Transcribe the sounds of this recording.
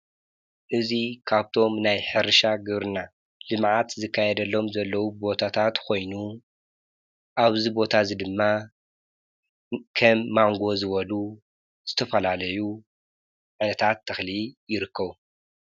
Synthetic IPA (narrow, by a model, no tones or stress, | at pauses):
ʔɨzikʰaβt̪ʰo̞mnajħɨɾʃaɡɨβɾɨna | lɨmʕat̪zɨkʰːajɛd̪ɐlːo̞mzɐlːɐwubo̞t̪ʰat̪ʰat̪kʰo̞jnu | ʔaβzibo̞t̪ʰazid̪ɨmːa | kʰɐmːaŋɡo̞zɨβɐlu | z̥ɨt̪ʰɐfɐlalɐju | ʕajnɐt̪ʰat̪ʰːɐxlijɪɾɨkʰːɐβu